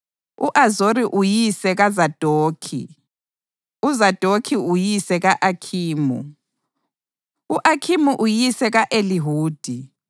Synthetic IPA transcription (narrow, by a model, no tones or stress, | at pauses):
uʔazoɾiʔujisɛɣazad̥ʱoːkʰḭ | uzad̥ʱokʰiujisɛɣaʔakʰiːmṵ | uʔakʰimuʔujisɛɣaʔeliɦuːd̥ʱi